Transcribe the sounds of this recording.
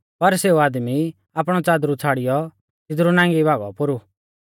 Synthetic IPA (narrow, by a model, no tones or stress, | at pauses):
pɐɾseːuaːd̪mi | aːpɽ̃ɔt͡saːd̪ɾut͡sʰaːɽɪjɔ | t̪ɪd̪ɾunãːŋɡibʱaːɡɔ̰pʊɾu